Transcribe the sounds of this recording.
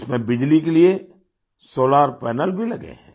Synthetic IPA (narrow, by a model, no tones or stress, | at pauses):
smẽbɪd͡ʒlikelie | soːlaːɾpɛːnəlbʱilɐɡḛ̃ɦɛ̰̃ː